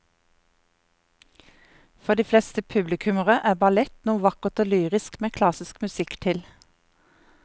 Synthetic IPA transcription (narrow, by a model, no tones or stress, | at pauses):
fɔʁd̪iːflɛst̪əpʰʉblɪkʰʉməʁəʔæːbɑlɛt̪nuːʋɑkəʁt̪oːlyːʁɪskmeːkʰlɑsɪskmʉsɪkt̪ʰɪl